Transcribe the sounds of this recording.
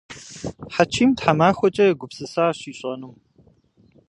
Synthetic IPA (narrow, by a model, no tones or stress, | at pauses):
ħat͡ʃʰiːmtħamaːxʷɔt͡ʃʼɐjɛɡʷʊpsɨsaɕiːɕʼɐnum